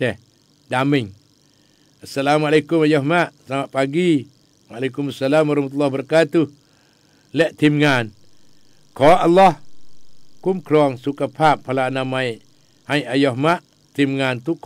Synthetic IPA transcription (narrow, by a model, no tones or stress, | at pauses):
ɛh | damɪŋ | asːalamalekumajɔhmaʔsəlamaʔpaɡi | walekumasalamwaɾɔhmat̪̬ulːahbəɾakat̪u | lɛʔt̪imŋan | kɔʔalːɔh | kumkɾɔŋsukapʰap̚ːalanamai | hajʔajɔhmaʔ | t̪imŋant̪uk